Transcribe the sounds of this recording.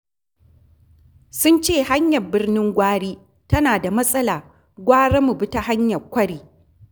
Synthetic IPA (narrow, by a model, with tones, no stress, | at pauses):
sʊ˦nt͡ʃeː˦˨ha˦ɲjɐ˨rbɪ˦rnɪ˦ŋɡʷaː˦ɽiː˦ | tɐ˦naː˨da˨mɐ˦sʼɐ˦laː˨ | ɡʷaː˦ɽɐ˦mu˨bɪ˦ta˦ha˦ɲjɐ˨kʷɐ˦ɽiː˨